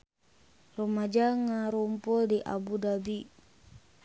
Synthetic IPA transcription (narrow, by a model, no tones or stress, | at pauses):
romad͡ʒaŋaɾumpɔldiʔa̰budabi